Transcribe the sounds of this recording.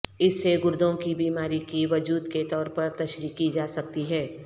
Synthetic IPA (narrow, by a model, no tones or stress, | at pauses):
ɪsːeɡʊɾd̪ʱõkibiːmaːɾikiʋɐd͡ʒuːd̪ket̪ɔːɾpɐɾt̪ɐʃɾikid͡ʒaːsɐkt̪iɦɛː